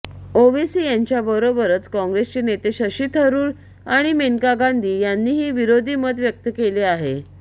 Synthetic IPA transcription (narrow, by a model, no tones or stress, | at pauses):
oʋisiːjaɲt͡ɕjabəɾobəɾət͡skɔ̃ŋɡɾest͡ɕenet̪eɕəɕiːt̪ʰəɾuːɾ | aɽ̃imenkaɡand̪ʱiːjanːiːɦiːʋiɾod̪ʱiːməd̪ʋjək̚t̪əkeleaɦe